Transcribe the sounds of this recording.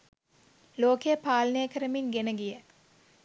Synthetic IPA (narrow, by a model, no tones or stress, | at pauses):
loːkejəpaːlənəjəkəɾəmiŋɡenəɡijə